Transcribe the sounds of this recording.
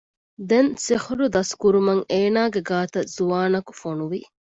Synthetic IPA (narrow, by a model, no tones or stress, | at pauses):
d̪ensihɾud̪ɐskuɾumɐŋeːnaːɡeɡaːt̪ɐz̥uʋaːnɐku̥fonuʋi